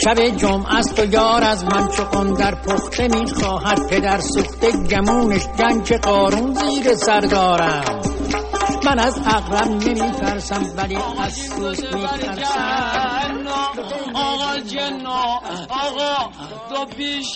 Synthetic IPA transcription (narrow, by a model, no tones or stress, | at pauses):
ʃæbe̞d͡ʒomʔæst̪ʰojɒːɾæzmænt͡ʃʰeɡond̪æɾpʰoxt̪ʰemiːxɒːɦæd̪̥̚pʰe̞d̪æɾsuxt̪eɟæmuːneʃd͡ʒæŋkʰeɢɒːɾunziːɾe̞sæɾd̪ɒːɾæm | mænæzæɣɾæbne̞miːt̪ʰæɾsæmvæliːæzsuːzmiːt̪ʰæɾsæ | n | ɣ